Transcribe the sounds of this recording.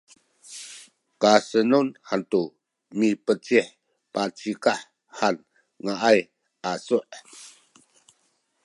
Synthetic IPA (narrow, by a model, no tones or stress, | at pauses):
kasənunhant̪u | mipət͡siħ | pat͡sikah | han | ŋaʔaj | ʔasuʔ